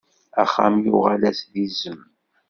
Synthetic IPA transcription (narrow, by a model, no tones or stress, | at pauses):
æχːæ̰mjʊʁalæsðizəm